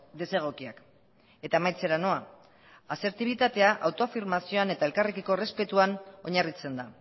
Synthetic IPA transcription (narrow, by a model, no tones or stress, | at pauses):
d̪e̞se̞ɣ̞o̞kiak | e̞t̪amajt͡se̞ɾano̞a | ase̞ɾt̪iβ̞it̪at̪e̞aʔawt̪o̞afiɾmasio̞ane̞t̪ae̞lkarekiko̞re̞spe̞t̪uano̞ɲarit͡se̞nd̪a